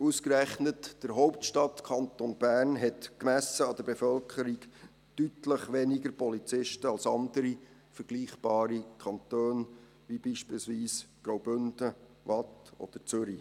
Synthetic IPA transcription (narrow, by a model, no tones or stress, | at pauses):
uskɾæχnətd̥əɾɦɔʊp̚tʃtɑtkʰɑnt̪onb̥æːrnɦɛtkmæsəɑd̥̪əɾb̥efœlkʰχəɾik | tytləχʋɛniɡəɾpɔlit͡sɪʃtəɑlsɑndəɾi | fəɾɡ̥liːχb̥ɑːɾikʰɑnt̪øːn | ʋibiːʃpiːlsʋiːsɡ̥ɾowbʏnd̥ə | ʋɑtɔ̰d̥̪əɾt͡sʏɾi